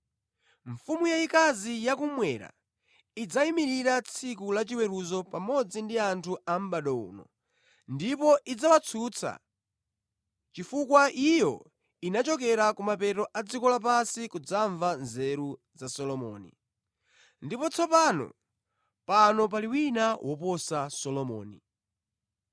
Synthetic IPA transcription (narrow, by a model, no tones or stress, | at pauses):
ɱ̩fumujaikazijak̬umwɛɾa̰ | id͡zaimiɾiɾat͡sʰikulat͡ʃiwɛɾuzɔpamɔd͡zindiantʰuam̩ɓaɗɔṵnɔ̰ | ndipɔʔid͡zawat͡sʰuːt͡sʰa̰ | t͡ʃifukwaʔijɔ | inat͡ʃɔk̬ɛɾakumapɛtɔʔad͡zikɔlapasikud͡zaɱvanzɛɾu | zasɔlɔmɔ̰ːnḭ | ndipɔt͡sʰɔpanɔ̰ | panɔp̬aliwinawʔɔpɔsasɔlɔmɔ̰ːnḭ